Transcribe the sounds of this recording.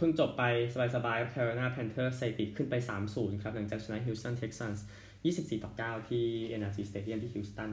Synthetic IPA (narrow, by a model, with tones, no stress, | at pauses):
pʰɯ˥˩ŋt͡ɕo˨˩pːa˧jsa˧baː˧jsa˧baː˧jka˦˥p̚kʰɛː˧ɾoː˧naː˥˩pʰɛː˧nt̪ʰɤː˥˩se˧t̪i˨˩kʰɯ˥˩npa˧jsaː˩˦msuː˩˦nkʰɾa˦˥p̚na˩˦ŋt͡ɕaː˨˩k̚t͡ɕʰa˧na˧˦˥ɦi˧˥st̪ɔ˥˩nt̪ʰe˧˦˥k̚sa˥˩s | jiː˥˩si˨˩p̚siː˨˩t̪ɔː˨˩kaː˥˩wt̪ʰiː˥˩ʔe˧nʔaː˧siː˧˩st̪eː˧˥di˥˨nt̪ʰiː˥˩iː˧˥st̪a˥˩n